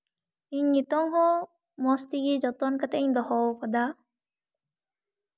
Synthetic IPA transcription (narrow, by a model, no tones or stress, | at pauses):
iɲːit̪ɔŋhɔ | mɔst̪iɡid͡ʒɔt̪ɔnkat̪ɛiɲd̪ɔhɔwkɔd̪a